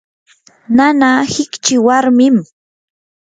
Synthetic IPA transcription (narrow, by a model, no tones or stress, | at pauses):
nanaːhɪkt͡ʃɪwaɾmɪm